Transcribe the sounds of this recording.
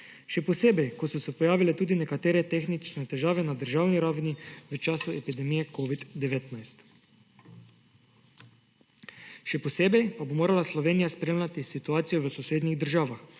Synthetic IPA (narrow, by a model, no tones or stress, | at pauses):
ʃɛpɔseːbɛjkɔsɔsɛpɔjaːʋilɛt̪uːd̪inɛkat̪eːɾɛt̪eːxnit͡ʃnɛt̪ɛʒaːʋɛnad̪əɾʒawniɾawniʋət͡ʃaːsuɛpid̪ɛmijɛkoːʋid̪d̪ɛʋeːt̪najst̪ | ʃɛpɔseːbɛjpabomoːɾalaslɔʋeːnijaspɾeːmlʲat̪isit̪uaːt̪sijɔʋəsɔseːd̪niɣd̪əɾʒaːʋax